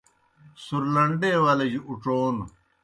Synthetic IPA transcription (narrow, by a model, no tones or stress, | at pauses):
suɾlɐɳɖeːwaːlɐd͡ʑuuʈ͡ʂoːn